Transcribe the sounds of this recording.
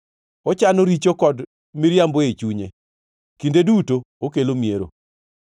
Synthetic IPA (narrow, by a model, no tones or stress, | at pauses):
ot͡ʃanoɾit͡ʃokɔd | miɾjamboet͡ʃuɲe | kindeduto | okelomjeɾo̰